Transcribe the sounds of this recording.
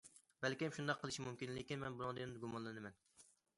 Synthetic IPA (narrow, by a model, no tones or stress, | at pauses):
bɛlkʲimʃund̪ɑqʰːəlˠɨʃimumkʲinlekʲinmɛnbunɨŋd̪ɨnd̪ɨɡumɑnlˠɨnɨmɛn